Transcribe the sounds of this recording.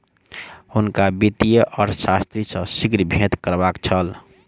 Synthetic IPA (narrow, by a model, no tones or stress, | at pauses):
hʊnkabit̪ijəʔɔːɾsast̪ɾisə̃sikɾbʱẽt̪kəɾbaːkt͡ʃʰəl